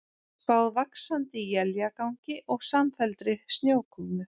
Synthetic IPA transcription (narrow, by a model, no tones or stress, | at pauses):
pawðvaksant̪ɪjɛljakawɲcɪʔɔɣsamfɛlt̪ɾɪst̪njoːwkʰʏmnʏ